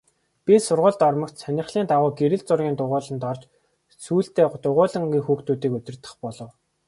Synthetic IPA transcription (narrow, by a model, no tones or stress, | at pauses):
pʲisʊrʁʊːɮt̪ɔrmə̆kt̪sænʲɪ̆χɮiːnt̪aʁʊːɡeɾɘ̆ɮt͡sʊrɣʲiːnt̪ʊʁʊːɮə̆nt̪ɔrt͡ɕ | suːɬt̪eːt̪ʊʁʊːɮə̆ŋɡʲiːŋxuːxt̪uːt̪iːkɵt̪ʲɪ̆r̥t̪ə̥̆χpɔɮɞ̆w